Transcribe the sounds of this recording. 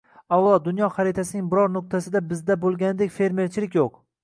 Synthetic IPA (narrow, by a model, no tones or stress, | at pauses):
awlˠɒd̪ʊnjɒχaɾet̪ʰasɪnɪŋbɪɾɒɾnʊq̚t̪ʰasɪd̪abɪzd̪abolˠɡʲanɪd̪ekʲfe̞ɾme̞ɾt͡ʃʰɪlɪkʲjoq